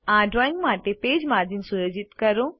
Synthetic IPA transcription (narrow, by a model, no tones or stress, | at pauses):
ãːɖɾɔːĩŋɡmaːʈepeːd͡ʑmaːd̪insʊɾəd͡ʑɪt̪kɐɾõː